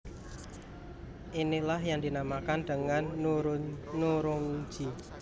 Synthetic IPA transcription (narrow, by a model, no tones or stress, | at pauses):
ʔinilahjaŋd̪inamakand̪̥əŋanɾnuɾʊŋd͡ʒi